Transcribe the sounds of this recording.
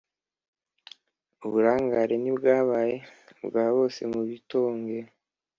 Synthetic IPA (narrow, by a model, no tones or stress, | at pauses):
uβuɾaːŋɡaɾenibɡaːβaːje̞bɡaːβo̞se̞̰muβito̞ːŋɡe